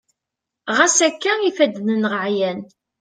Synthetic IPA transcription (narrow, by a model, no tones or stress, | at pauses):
ʁæsækːæifæd̪nənʁʕjæn